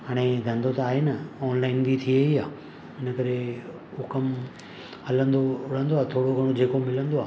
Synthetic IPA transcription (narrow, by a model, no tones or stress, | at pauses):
ɦaːɽ̃ẽd̪ʱɐ̃nd̪ot̪ɐaːɦenɐɔːnlaːɪnbʱit̪ʰieiaː | ɪnəkɐɾe | ukɐm | ɦɐlə̃nd̪oʊɽ̤ə̃nd̪oaːt̪ʰoːɽoɡʱɐɽ̃od͡ʑeːkomɪlə̃nd̪oaː